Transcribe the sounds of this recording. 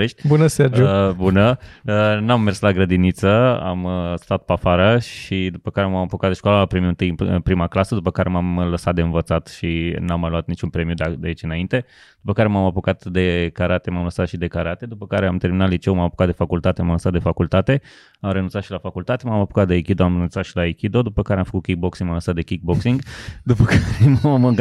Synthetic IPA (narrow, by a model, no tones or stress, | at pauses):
eʃt̪̚ʲbunəserd͡ʒubunəənamːe̞rslaɡɾəd̪init̪səa̰mst̪at̪̚pafaɾəʃid̪upəkaɾe̞mamapokat̪d̪eʃkwaləapɾemiuɨnt̪ɨjɨnɨ̰pɾimaklasəd̪upəkaɾe̞mamləsat̪̚d̪e̞ɨnvət̪sat̪ʃinamːaloat̪̚nit͡ʃunpɾe̞mijud̪d̪eait͡ʃɨnaint̪e̞ | d̪̥upəkaɾe̞mamapokat̪d̪e̞kaɾat̪e̞mamləsat̪ʃid̪e̞kaɾat̪e̞d̪upəkaɾeamt̪e̞rminat̪lit͡ʃewmamapo̥kat̪d̪efakult̪at̪e̞mamləsat̪d̪efakult̪at̪e̞ | amɾenunt̪sat̪ʃilafakult̪at̪e̞mamapokat̪̚d̪eekʲid̪oamrenunt̪sat̪ʃilaekʲid̪o̞d̪upəkaɾeamfə̥kut̪̚kʲik̚boksiŋɡmamləsat̪d̪ekʲik̚boksiŋɡd̪upəkʰaɾemam